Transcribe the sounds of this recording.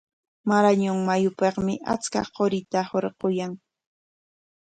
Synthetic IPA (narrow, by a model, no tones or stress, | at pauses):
maɾaɲʊŋmajʊpɑχmɪʔa̰t͡ska̰qoɾɪt̪ahoɾɢojaŋ